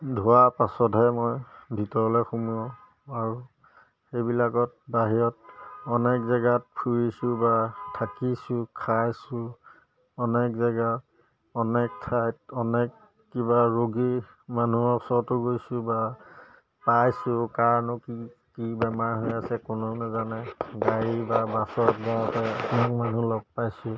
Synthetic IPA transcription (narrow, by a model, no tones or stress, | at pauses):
dʱuwapasɔtɦɛmɔjbʱitɔɹɔlɔjxumuɔ | aɹu | xejbilakɔt̚baɦijɔtɔnɛkzaɡat̚pʰuɹisʊ̃batʰakisʊ̃kʰajsʊ̃ | ɔnɛkzaɡa | ɔnɛk̚tʰajtɔnɛkː | ibaɹoɡi | manuɔksɔtʊɡojsʊ̃ba | pajsʊkaɹnɔki | kibɛmaɹɦojasɛkʊnʊnɛzanɛɡaɹibabasɔt̚batɛapnɔk̚manulɔk̚pajsʊ̃